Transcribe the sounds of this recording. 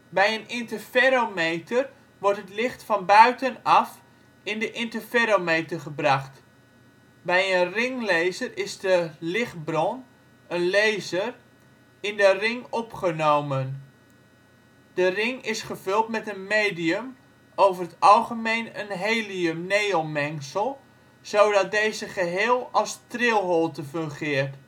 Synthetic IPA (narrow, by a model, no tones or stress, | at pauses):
bɛjənɪntəfɛɾomejtər | ʋɔrtɦətlɪχtfɑnbœɥtənɑf | ɪndəʔɪntəfɛɾomejtərχəbrɑχt | bɛjənrɪŋlejzərɪzdəlɪχtbrɔn | ənlejzər | ɪndərɪŋɔpχənowmən | d̥ərɪŋɪsχəvʏlˠtmɛtənmejdiəm | owvərɦətɑlˠχəmejnənɦejliənejomɛŋsəlˠ | z̥owdɑt̚dejzəχəɦeːlˠɑlˠstrɪlˠɦɔlˠtəføŋχɪːrt